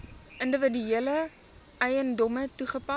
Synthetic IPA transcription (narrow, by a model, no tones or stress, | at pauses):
əndəvədyiələ | ɛjəndɔmətuχəpɐ